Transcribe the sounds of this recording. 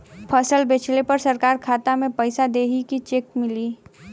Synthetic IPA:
pʰəsəlbeːt͡ʃʰlepɐɾsɐɾkaːɾkʰaːt̪amẽpəɪsad̪eːɦikit͡ʃeːk̚mɪliː

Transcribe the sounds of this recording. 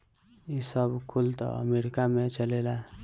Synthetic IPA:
isəbʱkʰult̪ʌ̰ə̰meɾikamet͡ʃəlela

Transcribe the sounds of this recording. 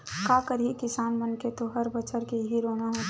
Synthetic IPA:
kaːkəɾɦikɪsaːnmənket̪oɦəɾbət͡ʃəɾkeɦiɾoːnaɦo

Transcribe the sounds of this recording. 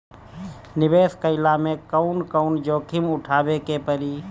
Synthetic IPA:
nɪʋeːskəɪlamẽkəʊnkəʊnd͡ʒoːkʰɪmʊʈʰaːbekepəɾiː

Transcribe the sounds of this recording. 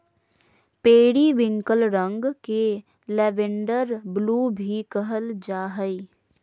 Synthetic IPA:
peːɽiʋɪ̃ŋkəlɾə̃ŋɡke | lɛːʋɪ̃ɳɖəɾbluːbʱikəɦəld͡ʒaːɦəi

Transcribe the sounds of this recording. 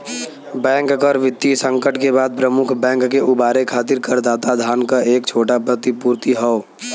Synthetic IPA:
bɛ̃ːŋkkɔɾʋɪt̪ːisə̃ŋkəʈkebaːd̪̚pɾəmʊkʰbɛ̃ːŋkːeʔʊbaːɾekʰaːt̪ɪɾkəɾd̪aːt̪ad̪ʱaːnkaʔeːkt͡ʃʰoːʈapɾət̪ipuːɾt̪iɦɔo

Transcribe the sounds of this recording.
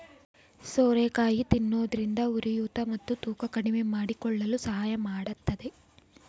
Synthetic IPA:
soːɾeːkaːjit̪inːoːd̪ɐɾind̪ɐuɾijuːt̪ɐmɐt̪ːut̪uːkɐkɐɽime̞maːɽikɔɭːɐlusɐɦaːjɐmaːɽɐt̪ːɐd̪e̞

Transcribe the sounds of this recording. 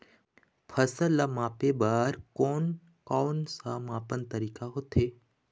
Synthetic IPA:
pʰəsəlːamaːpebaːɾkoːn | koːnsaːmaːpənt̪əɾiːkaɦot̪ʰeː

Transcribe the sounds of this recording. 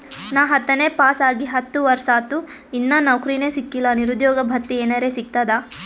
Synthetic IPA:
naːɦɐt̪ːɐneːpaːsaːɡiɦɐt̪ːuʋɐɾsaːt̪u | inːɐnɐwkɾineːsikːilɐniɾud̪jɔːɡɐbʱɐk̚t̪ːieːnɐɾeːsik̚t̪ad̪a

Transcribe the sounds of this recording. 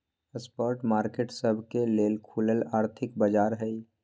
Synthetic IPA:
əspɔːɾʈmaːɾkeːʈsəbʱkeleːlkʰuləlaːɾt̪ʰɪkbəd͡ʒaːɾɦɛi

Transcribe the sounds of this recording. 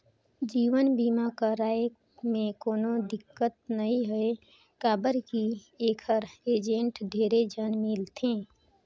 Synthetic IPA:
d͡ʒiːʋənbiːmakaɾaːe | mẽkoːnod̪ɪkːət̪̚nəɦĩɦɛe | kaːbəɾki | eːkʰəɾeːd͡ʒẽɳʈd̪ʱeːɾed͡ʒənmiːlt̪ʰẽː

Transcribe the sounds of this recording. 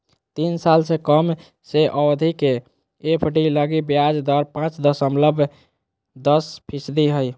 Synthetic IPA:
t̪insalsẽkəm | seʔəwd̪ʱikeː | pʰəʈiləɡibjad͡ʒd̪ɔɾpãt͡ʃd̪əsəmləbʱ | d̪əspʰisd̪iɦəj

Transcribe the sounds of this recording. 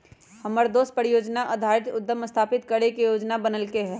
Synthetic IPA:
hɐməɾd̪oːs̚pəɾɪjoːd͡ʒnaʔɐd̪ʱaːɾɪt̪ʊd̪ːəməst̪ʰaːpɪt̪kəɾekijoːd͡ʒnabɐnəlkeɦɛː

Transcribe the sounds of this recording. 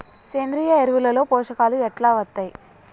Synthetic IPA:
seːnd̪ɾijaeɾuʋulɐlo̞ːpoːʂɐkaːluɛʈlaːʋɐt̪ːɐj

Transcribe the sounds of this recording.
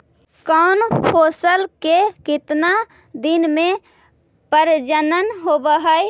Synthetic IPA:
kɔnpʰoːsəlkekɪt̪na | d̪ɪnmẽ | pəɾd͡ʒənənɦobəɦəj

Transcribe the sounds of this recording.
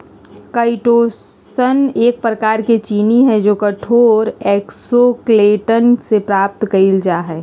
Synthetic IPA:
kaɪʈoːsəneːk̚pɾəkaːɾket͡ʃiːniɦɛ̃d͡ʒoːkəʈʰoːɾɛːksokleːʈənsepɾaːp̚t̪kɐild͡ʒaɦɛː

